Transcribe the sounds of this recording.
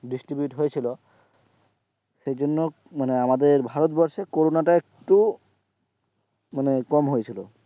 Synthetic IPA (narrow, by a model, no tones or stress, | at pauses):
ɖisʈɾibjuʈɦojet͡ɕʰilo | ʃejd͡ʑonːo | maneamad̪eɾbʱaɾot̪bɔɾʃekoɾonaʈaek̚ʈu | manekɔmɦojet͡ɕʰilo